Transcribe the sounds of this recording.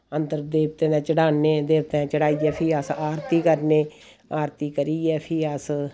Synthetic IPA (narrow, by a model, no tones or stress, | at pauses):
ənd̪əɾd̪eːp̚t̪ẽːnɛ̃ːt͡ʃəɽaːneːd̪eːpt̪ẽt͡ʃəɽaːiːɛːpʰiːəsaːɾt̪iːkəɾneː | aːɾt̪iːkəɾiːɛːpʰiːəs